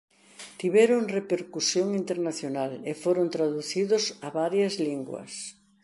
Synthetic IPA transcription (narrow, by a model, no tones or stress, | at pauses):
t̪iβɛɾʊŋrepeɾkusjoŋint̪eɾnaθjonalefoɾont̪ɾaðuθiðʊsaβaɾjɐzliŋɡwɐ̰s